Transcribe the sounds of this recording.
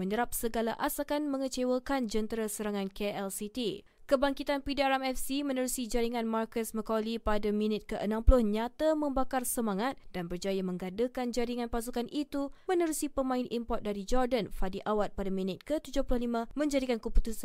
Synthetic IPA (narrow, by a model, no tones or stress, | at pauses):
məɲəɾap̚səɡalaʔasakanmə̃ŋət͡ʃewəkand͡ʒənt̪ɾasəɾaŋãnkeɛlsit̪i | kəbaŋkit̪anpidaɾamɛfsimə̃nəɾusid͡ʒaɾiŋãnmarkəsməkɔlipadamĩnɪt̪̚kəʔənãmplʊhɲat̪amə̃mbakarsəmãŋat̪̚d̥anbərd͡ʒajamə̃ŋɡadəkand͡ʒaɾiŋanpas̬ukanʔit̪umə̃nəɾusipəmãɪnʔimpɔt̪̚daɾid͡ʒɔrdanfadiʔawat̪̚padaminɪt̪̚kət̪ud͡ʒʊhpulʊhlimãmə̃ɲd͡ʒadikankəput̪usan